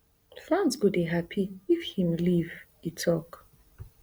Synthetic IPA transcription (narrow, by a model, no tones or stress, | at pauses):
flãnsɡudiɦapʰiifhĩmliv | itʰɔk